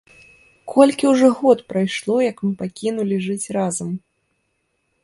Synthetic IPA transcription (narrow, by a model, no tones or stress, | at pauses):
kʰɔlʲkʲiwʐɔɣɔt̪pɾajʂlˠɔjɐkmɨpakʲinulʲiʐɨt͡sʲrazɐm